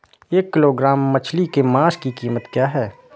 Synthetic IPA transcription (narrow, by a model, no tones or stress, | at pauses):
eːkːɪloɡɾaːmːɐt͡ʃʰlikemaːskikiːmət̪kjaːɦɛː